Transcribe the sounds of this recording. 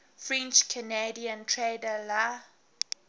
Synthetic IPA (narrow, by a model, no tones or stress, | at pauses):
fɹɛ̃nt͡ʃkʰənediãntʰɹedəla